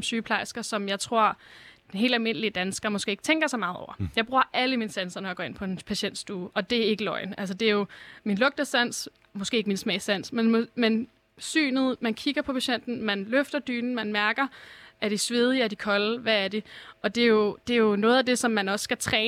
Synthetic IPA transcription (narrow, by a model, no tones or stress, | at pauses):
msyːpʰlɑ̈ɪsɡ̥ɐsɒ̽mjɑ̈ɪt͡sʰʁo̝ɐ̰d̥enɦe̝̰ːld̥ælme̝n̰əlid̥ænsɡ̥ɐmɔ̽sɡ̥e̝ːeɡ̥t͡sʰeŋɡ̥ɐsɑɪmɑ̈ːð̩ˠɒ̰ʊ̰ɐjɑ̈ɪb̥ʁuːɐ̰ʔæləminəsænsɐnɒjɑɡ̥ɒ̰ːe̝npʰɒ̽e̝npʰæɕen̰d̥sd̥uːʔɒ̽d̥e̝æɐe̝ɡ̥əlɒ̽ɪ̰næls̬ɒd̥e̝æjo̝minlɔ̽ɡ̥̚d̥ɐsæn̰s | mɔsɡ̥e̝̰ːeɡ̥minsmɛ̰ːsæn̰smenmen | sy̰ːnð̩ˠmænkʰiɡ̥ɐpʰɒ̽pʰæɕen̰d̥n̩mænløfd̥ɐd̥y̰ːnn̩mænmæɐɡ̥ɐʔæd̥isʋe̝ð̞ˠiæɐd̥ikʰɒ̽lʋææɐdeɒ̽d̥e̝jo̝d̥e̝æjo̝nɔ̽ːð̩ˠæd̥e̝sɒ̽mːænɒ̽sːɡ̥æt͡sʰʁɛː